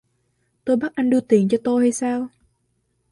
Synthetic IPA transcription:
t̪o˧jɓa˦˥t̚ʔa˧jŋ̟ɗɨ˧t̪i˨˩ənt͡ɕɔ˧t̪o˧jha˧jsaː˧w

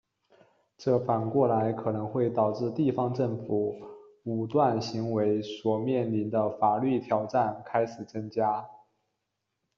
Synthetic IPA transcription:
ʈ͡ʂɤ˥˩fa˨˩nkwɔ˥˩la˧˥ɪkʰɤ˨˩nɤ˧˥ŋxwe˥˩ɪt̪ɑ˨˩ʊʈ͡ʂɻ̩˥˧t̪i˥˩fɑ˥ŋʈ͡ʂə˥˩ŋfu˨˩˦ | u˨˩t̪wa˥˩nɕi˧˥ŋwe˧˥ɪswɔ˨˩mjɛ˥˩nli˧˥nd̪ə˧fa˨˩ly˥˩t̪ʰjɑ˨˩ʊʈ͡ʂa˥˩nkʰa˥ɪʂɻ̩˨˩t͡sə˥ŋt͡ɕja˥

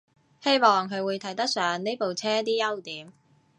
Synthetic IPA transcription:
he˥jmɔː˨ŋɦɵ˨˧ɥwuː˨˧jt̪ʰɐ˨˥jt̪ɐ˥k̚sœː˨˧ŋne˥po˨wt͡sʰɛː˥t̪iː˥jɐ˥wt̪iː˨˥m

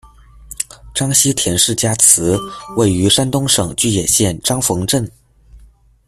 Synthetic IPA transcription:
ʈ͡ʂɑ˥ŋɕi˥t̪ʰjɛ˧˥nʂɻ̩˥˩t͡ɕja˥t͡sʰɹ̩˧˥we˥˩ɪy˧˥ʂa˥nt̪ʊ˥ŋʂɤ˨˩ŋt͡ɕy˥˩jɛ˨˩ɕjɛ˥˩nʈ͡ʂɑ˥ŋfɤ˧˥ŋʈ͡ʂə˥˩n

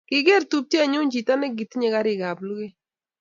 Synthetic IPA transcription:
kɪ˦ɡe˦˨ɾtu˦p̚tja˦˨ɲu˦ɲd͡ʒi˨ta˦nɪ˦ɡi˨tɲe˦ka˦ɾɪ˨ɡa˨blu˦ɡe˦

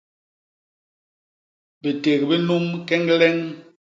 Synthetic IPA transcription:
be˨te˨kbi˦nu˦mkɛ˦ŋ˦lɛ˦ŋ

